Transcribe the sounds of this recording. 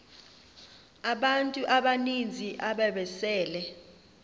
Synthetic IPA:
aɓantʼuʔaɓanind͡zʱiʔaɓɛɓɛsɛːlɛ

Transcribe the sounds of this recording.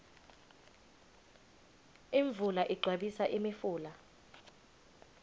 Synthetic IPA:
iɱbvulaʔiɡ͡ǀʱwaɓisaʔimifuːla

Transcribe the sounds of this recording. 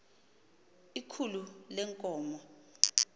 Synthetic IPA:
ikʰululɛŋkʼɔːmɔ

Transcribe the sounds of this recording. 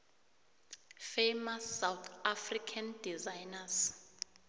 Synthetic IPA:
fejmasːawt̪ʰafrikʰandizajnas

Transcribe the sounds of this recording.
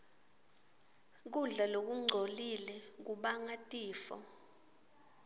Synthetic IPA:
k̬uɮalok̬uŋ͡ǀʱolilɛk̬uɓaŋatʼiːfɔ̰

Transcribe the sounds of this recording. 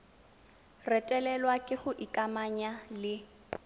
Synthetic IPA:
rɛtʼɛlɛlwakʼɪχʊʔikʼamaɲalɪ

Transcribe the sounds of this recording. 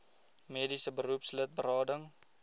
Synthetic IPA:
meːdisəbəɾupslət̚bəɾɑːdəŋ

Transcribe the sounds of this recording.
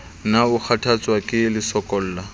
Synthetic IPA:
naʊk͡xʰatʰat͡sʼwakʼɪlɪsɔkʼɔl̩ːla

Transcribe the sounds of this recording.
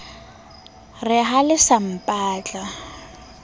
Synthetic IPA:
rɪɦalɪsam̩pʼaːt͡ɬʼa

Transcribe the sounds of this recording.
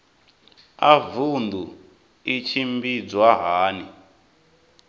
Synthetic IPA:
avund̪u | it͡ʃʰimbid͡zwaɦaːni

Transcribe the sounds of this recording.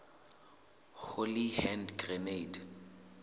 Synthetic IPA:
ɣolihɛndɡrɛneid

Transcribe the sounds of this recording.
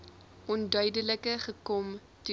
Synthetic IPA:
ʔɔndœɥdələkəχəkɔm | tu

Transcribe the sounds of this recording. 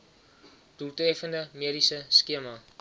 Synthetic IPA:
d̥ultrefəndəmiəɾisəskiəmɐ

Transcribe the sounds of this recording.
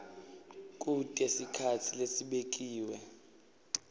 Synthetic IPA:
k̬ʼutʼɛsikʰatʰilesiɓek̬ʼiːwɛ

